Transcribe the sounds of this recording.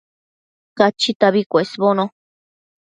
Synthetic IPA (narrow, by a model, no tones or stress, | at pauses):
kat͡ʃit̪aβikʷesβonõ